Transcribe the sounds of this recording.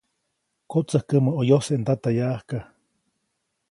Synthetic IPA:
kot͡səhkəməojoseʔnd̪at̪ajaʔhka

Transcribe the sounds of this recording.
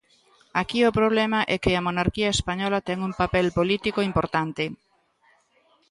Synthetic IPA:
akiopɾoβ̞lɛmɐʔɛkɪɐmonaɾkiɐespaɲɔlɐt̪ɛŋuŋpapɛlpolit̪ikoimpoɾt̪ant̪e

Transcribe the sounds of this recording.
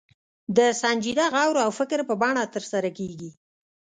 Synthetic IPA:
d̪əsand͡ʒid̪aɣawɾoawfɪkɾpəbɑɳat̪əɾsaɾakeɡi

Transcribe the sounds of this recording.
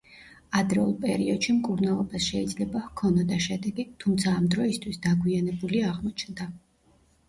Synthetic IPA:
ad̪ɾɛulˠpʼɛɾiɔd̪̥ʃimkʼuɾnalˠɔbasʃɛid̪zlɛbahkʰɔnɔd̪aʃɛd̪ɛɡit̪ʰumt̪sʰaːmd̪ɾɔist̪ʰwisd̪aɡwianɛbuliaʁmɔt͡ʃʰnd̪a

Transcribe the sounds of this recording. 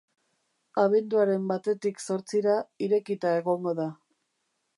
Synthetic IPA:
aβe̞nd̪uaɾe̞mbat̪e̞t̪ikso̞ɾt͡siɾaiɾe̞kit̪ae̞ɣo̞ŋɡo̞ða

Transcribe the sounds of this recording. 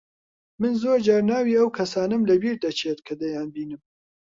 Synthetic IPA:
mɨnzoːɾd͡ʒaːɾnaːwiːɐwkʰɐsaːnɨmlɐbiːɾd̪ɐt͡ʃʰet̪kʰɐd̪ɐjaːnbiːnɨm

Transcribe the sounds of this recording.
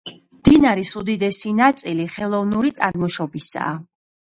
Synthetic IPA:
md̪inaɾisud̪id̪ɛsinat̪sʼiliχɛlˠɔvnuɾit̪sʼaɾmɔʃɔbisa̰ː

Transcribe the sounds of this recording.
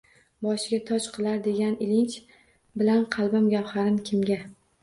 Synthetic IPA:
bɒʃɪɡʲat̪ʰɒt͡ʃqʰɨlˠaɾd̪e̞ɡʲanɪlɪnt͡ʃ | bɪlanqʰɑlˠbɪmɡʲawhaɾɪnkʲʰɪmɡʲa

